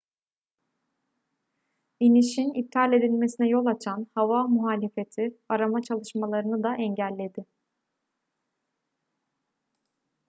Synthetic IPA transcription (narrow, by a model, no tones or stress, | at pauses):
iniʃinip̚t̪ʰalʲe̞d̪ilʲme̞sinɛjo̞lˠat͡ʃʰanhavamuɦaːlʲe̞fe̞t̪ʰiaɾamat͡ʃʰalˠɯʃmalˠaɾɯnɯd̪aʔɛɲɟælʲːe̞d̪ɪ